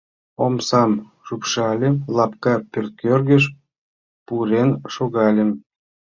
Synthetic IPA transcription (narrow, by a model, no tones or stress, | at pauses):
omsɑm | ʃupʃɑlʲemlɑp̚kɑpʲørt̪̚kørɣə̆ʃ | puɾenʃoɣɑlʲem